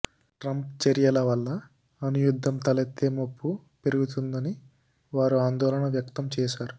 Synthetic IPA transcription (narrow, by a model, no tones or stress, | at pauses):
ʈɾɐmpt͡ʃeɾijɐlɐʋɐlːɐ | ɐnujud̪ʱːɐmt̪ɐlɐt̪ːeːmopːupeɾiɡut̪̬und̪ɐni | ʋaːɾuaːnd̪ɔːlɐɳɐʋjɐk̚t̪ɐmt͡ʃɛːʃaːɾu